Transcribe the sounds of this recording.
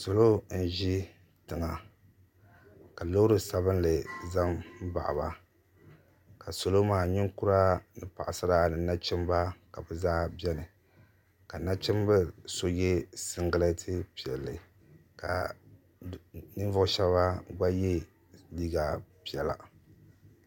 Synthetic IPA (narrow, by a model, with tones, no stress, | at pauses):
so˨lo˦n̩˦ʒi˦ | tɨ˨ŋa˨ | ka˨lo˦ɾɨ˦sa˨βɨ˦nlɨ˨za˦m˦ba̰˨ʔa̰˨ba˨ | ka˨so˨lo˦maː˨ɲɪ˦ŋku˦ɾa˦nɨ˨pa˨ʔa˨sɨ˦ɾa˦˨nɨ˨na˦t͡ʃɪ˦mba˦ka˨bɨ˨zaː˦bɛ˦nɨ˨ | ka˨na˦t͡ʃɪ˦mbɨ˦so˦jɛ˦sɨ˦ŋɡɨ˦lɨ˦tʰɨ˦pi˨ɛ˨lːɨ˨ | ka̰˨ | nɨ˦n˦vʊ˦ʊ˦ʃɛ˦bba˦ɡa˦je˦ | liː˦ɡa˨pi˦˨ɛ˨la̰˨